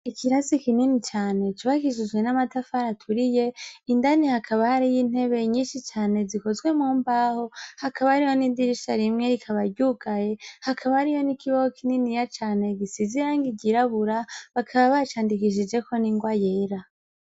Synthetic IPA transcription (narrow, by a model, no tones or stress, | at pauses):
ikʰiɾasikininit͡ʃaːne̞t͡ʃuβakiʃ̬id͡ʒɡwe̞namatafaɾatʰuɾije̞indanihakʰaβahaɾijin̥he̞βe̞ɲiːnʃit͡ʃaːne̞zikozɡwe̞muːmbaho̞hakʰaβaɾijo̞nidiɾiʃaɾimŋe̞ɾikʰaβaɾɟuɡaje̞hakʰaβaɾijo̞nikʰiβahokʰininijat͡ʃaːne̞ɡisiziɾaŋɡiɟiɾaβuɾaβakʰaβaβat͡ʃaːndikiʃ̬id͡ʒe̞ko̞niŋɡwaje̞ːɾa